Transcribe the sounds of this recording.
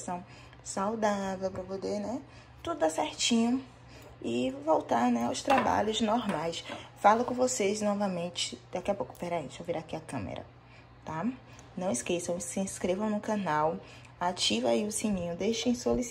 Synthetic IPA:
sɐ̃w̃ | sawd̪avewpɾɐpod̪eɾnɛ | t̪ud̪ʊd̪asɛɾt͡ʃĩɲʊ | ɪvowt̪aɾnɛawst̪ɾaba̰ʎʊznoɾmajsfalɐkõvoseznɔvɐmẽnt͡ʃɪ̥d̪̥akiɐpowkʊ̥pɛɾaẽsoviɾakiɐkɐ̃mḛɾɐ̰ | t̪a | nɐ̃w̃ɪskesɐ̃w̃sɪĩskɾevɐ̃w̃nʊ̃kɐ̃naw | at͡ʃivaiʊsĩɲĩɲʊd̪eʃẽj̃solis

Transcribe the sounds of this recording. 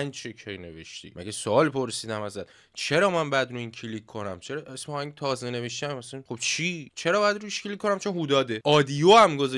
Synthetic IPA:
ænd͡ʒʃecʰejne̞ve̞̰ʃt̪ḭːmæ̰ɡʲesoɒːlpʰoɾsiːd̪æmæzæt̪ | t͡ʃʰe̞ɾɒːmænbæd̪ɾuiːncʰilikʰːo̞næmt͡ʃʰeɾɒʔesmːhæŋɡt̪ʰɒːzene̞veʃt̪æmmæsæχob̥t͡ʃʰit͡ʃʰe̞ɾɒːbjæd̪ɾuiʃkʰilikʰːonæmt͡ʃʰo̞nɦud̪ɒːd̪eʔɒːd̪ijoːæmɡoz

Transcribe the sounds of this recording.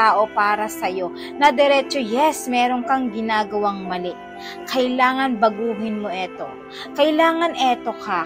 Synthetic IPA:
aːʔo̞paːɾɐsɐjo̞ | nɐd̪ɛɾɛːt͡ʃojɛsmɛːɾo̞ŋkɐŋɡɪnaːɡɐwaŋmɐlɛʔ | kʰɐjlaːŋɐnbɐɡuːɦɪnmoʔɛt̪o̞̰ | kɐjlaːŋɐnʔɛt̪o̞ka

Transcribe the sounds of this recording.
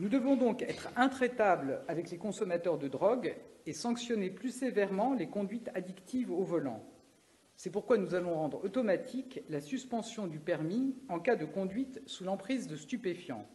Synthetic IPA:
nud̪əvɔ̃d̪ɔ̃kɛt̪χɛ̃t̪χet̪ablavɛklekɔ̃sɔmat̪œʁd̪əd̪ʁɔɡesɑ̃ksjɔneplysevɛʁmɑ̃lekɔ̃d̪ɥit̪ʰad̪ikt̪ivovɔlɑ̰̃ | sɛpuʁkwanuzalɔ̃ʁɑ̃d̪ʁɔt̪ɔmat̪ʰiklasyspɑ̃sjɔ̃d̪ypɛʁmiɑ̃kad̪əkɔ̃d̪ɥit̪sulɑ̃pχizd̪əst̪ypefjɑ̰̃

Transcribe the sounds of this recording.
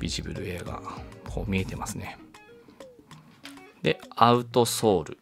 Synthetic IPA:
bʲiʑibɯ̟ɾɯ̟e̞ːɡa̰kʰo̞ːmʲie̞t̪e̞masɨne̞ | d̪e̞aɯ̟t̪o̞so̞ːɾɯ̟̰

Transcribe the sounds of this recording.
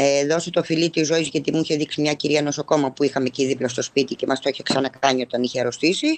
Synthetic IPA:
eðo̞sot̪o̞filit̪izːo̞izʝɐt̪imuiçe̞ðiksimɲɐciɾiɐno̞soko̞mɐpuixɐme̞ciðiplost̪o̞spit̪ice̞mɐst̪oiçeksɐnɐkɐɲio̞t̪ɐniçeɾo̞st̪isi

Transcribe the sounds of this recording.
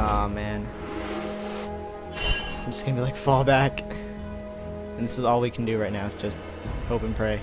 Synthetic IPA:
ʌmæ̃n | d͡ʒʌsɡ̥ʌnəbilaɪkfɔlˠbæk | ɨ̃n̩ðɪsɨzɔlˠwikʰn̩dɨɹaɪt̚ⁿnaʊɨz̥d̥d͡ʒ̥ʌst̚ | hoʊpɨ̃n̩pʰɹ̥eɪ

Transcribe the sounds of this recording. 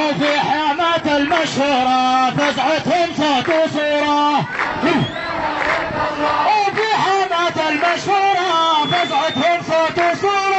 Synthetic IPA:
fiħaːmaːt̪almaʃhuːɾˤɑfazʕʊt̪hʊnsat̪usˤuːɾˤɑ | fiħaːmaːt̪almaʃhuːɾˤɑfazʕʊd̪hʊmsat̪usˤuːɾˤɑ

